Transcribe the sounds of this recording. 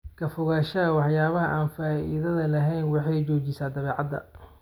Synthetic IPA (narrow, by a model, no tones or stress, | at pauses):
kʰɐfʊɣaːʃɐɐwɑħjaːβɐɦɐʔaːnfaːḭðɐðɐlɐɦɛjnwɑħɑjt͡ʃɔːt͡ʃɪsaːd̪ɐβɛːʕɑd̪ɐ̰